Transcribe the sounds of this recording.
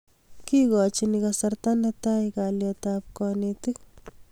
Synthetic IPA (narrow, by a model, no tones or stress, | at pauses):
kikɑt͡ʃinikasart̪anɛtajkaljɔtap̚kɔnet̪ik̚